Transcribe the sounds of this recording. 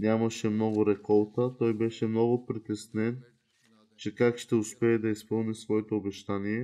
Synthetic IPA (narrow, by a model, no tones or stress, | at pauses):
nʲjamɐʃɛmnɔɡʊɾɛkɔlˠt̪ət̪ɔjbɛʃɛmnɔɡʊpɾit̪ɛsnɛn | t͡ʃɛkakʃt̪ɛʊspɛːd̪ɐispɤlˠnisvɔɛt̪oːbɛʃt̪aniɛ